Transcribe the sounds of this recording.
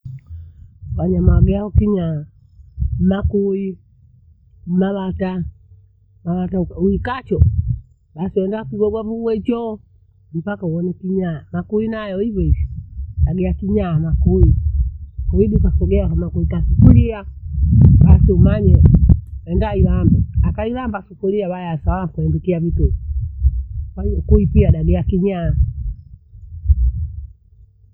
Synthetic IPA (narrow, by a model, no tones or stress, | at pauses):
waɲamaaɡɛaɔkiɲaa | makui | maβata | mawatauuikat͡ʃɔ | ɓasiwɛndakuɡɔɡwaβuwɛt͡ʃɔ | m̩pakauwɔnɛkiɲaamakuinajɔivɛiviaɡɛakiɲaːmakui | kɔiɗukasɔɡɛakanakuikasu̥kulia | ɓasiumaɲɛwɛndailambɛakailambasukuliaβajasawakuɛndukiaβitu | kaukuipiaɗaɡiakiɲaa